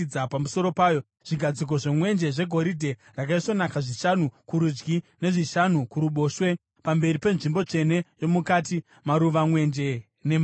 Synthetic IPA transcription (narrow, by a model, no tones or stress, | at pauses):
d͡zapamuso̞ɾo̞paːjo̞ | ʐ̥iɡʱad͡zik̬o̞ʐemwe̞nd͡ʒe̞ʐe̞ɡʱo̞ɾidʱe̞ | rakaiso̞nakaʐiʃanukuɾud͡ʒɡine̞ʐiʃanukuɾuɓo̞ːʃwe̞ | pambe̞ɾipe̞nʐimbo̞t͡ʂe̞ne̞jo̞mukati | maɾuʋamwe̞nd͡ʒe̞ | nem